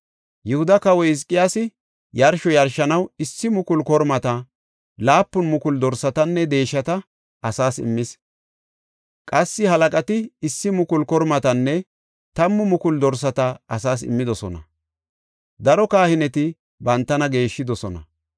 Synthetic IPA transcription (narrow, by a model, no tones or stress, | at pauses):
jʊhʊd̪ɐkɐwɔjɪs̬kʼːɪjaːsɪ | jɐɾʃɔjɐɾʃɐnɐwɪsːɪmʊkʊlkɔɾmɐt̪ɐ | laːpːʊnmʊkʊld̪ɔɾsɐt̪ɐnːɛd̪e̞ːʃːɐt̪ɐ | ɐsaːsɪ̰mːɪs | kʼɐsːɪhɐlɐkʼɐt̪ɪɪsːɪmʊkʊlkɔɾmɐt̪ɐnːɛ | t̪ɐmːʊmʊkʊld̪ɔɾs̬ɐt̪ɐɐsaːsɪ̰mːɪd̪ɔsɔnɐ̰ | d̪ɐɾɔkaːhɪnɛt̪ɪ | bɐnt̪ːɐnɐɡe̞ːʃːɪd̪ɔsɔnɐ̰